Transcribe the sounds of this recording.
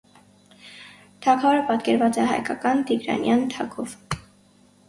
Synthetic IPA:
t̪ʰɑkʰɔɾəpɑt̪kɛɾvɑt͡sɛɦɑ̰jkɑkɑnt̪iɡɾɑ̰njɑnt̪ʰɑkʰɔv

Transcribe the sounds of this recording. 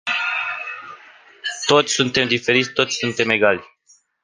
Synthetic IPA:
t̪o̞t̪sʲsunt̪e̞md̪ife̞ɾit̪sʲt̪o̞t̪sʲsunt̪e̞me̞ɡalʲ

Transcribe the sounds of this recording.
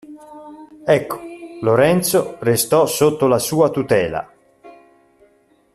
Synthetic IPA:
ɛkːo̥loɾɛnt̪sorest̪ɔsot̪ːolasuːat̪ut̪ɛːla̰

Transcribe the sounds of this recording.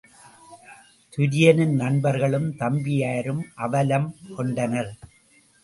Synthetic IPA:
t̪ʊɾɪjɐnɯnnɐnbɐɾɣɐɭɯmt̪ɐmbɪjaːɾɯmʔɐʋɐlɐmkɔɳɖɐnɐɾ

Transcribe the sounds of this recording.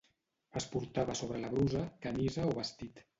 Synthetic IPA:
əspuɾt̪aβəsoβ̞ɾəlaβɾuzəkamizəoβəst̪it̪

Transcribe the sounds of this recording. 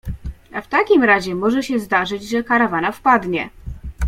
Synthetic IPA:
aft̪akʲimɾaʑɛmɔʐɛɕɛzd̪aʐɘd͡ʑʐɛkaɾavanafpad̪ɲɛ

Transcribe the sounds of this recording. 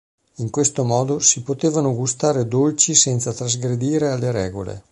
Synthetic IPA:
iŋkwest̪omɔːd̪osipot̪eːvanoɡust̪aːɾed̪olt͡ʃisɛnt̪sat̪ɾazɡɾed̪iːɾealːeɾɛːɡolḛ

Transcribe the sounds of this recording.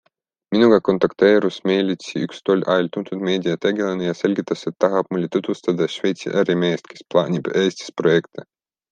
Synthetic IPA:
minuɡ̥ɑko̞nt̪ɑkt̪e̞ːɾusmeːlʲit̪siykst̪olʲʔɑjlʲt̪unt̪ud̪me̞ːd̪ʲijɑt̪eɡelenejɑse̞lʲɡit̪ːˑɑse̞t̪ːɑɦɑb̥̚mulʲːit̪ut̪ust̪ɑd̪ɑʃve̞jt̪sḭʔæɾimeːst̪kʰe̞splˠɑ̰ːnʲib̥eːsʲt̪i̥spro̞je̞kt̪e

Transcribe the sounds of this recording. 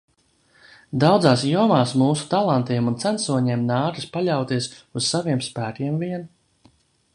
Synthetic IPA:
d̪awd̪zaːsjuɔmaːsmuːsu̥t̪alˠant̪iɛmunt̪sænsuɔɲɛːmnaːɾispaʎʲawt̪iɛsuz̥saviɛmspæːkʲiɛmviɛn

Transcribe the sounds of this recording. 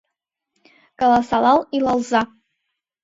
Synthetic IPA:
kʼalasalalilalza

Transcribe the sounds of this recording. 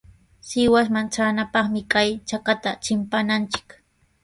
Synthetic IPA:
sɪwasmant͡ʃaːnapɑχmɪkajt͡ʃakat̪at͡ʃɪmpanant͡ʃɪ̥k

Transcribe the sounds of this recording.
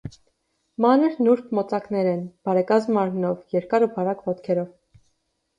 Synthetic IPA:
mɑnəɾnuɾp̪ʰmɔt͡sɑknɛɾɛnb̥ɑɾɛkɑzmɑɾmnɔvjɛɾkɑɾubɑɾɑkvɔt̪kʰɛɾɔv

